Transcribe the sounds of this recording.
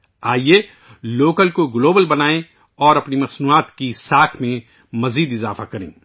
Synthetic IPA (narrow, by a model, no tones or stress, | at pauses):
aːie | loːkəlkoɡloːbəlbɐnaːẽ | ɔːɾɐpnimɐsnuaːt̪kisaːkʰmẽ | mɐziːd̪ɪzaːfa̰kɐɾḛ̃ː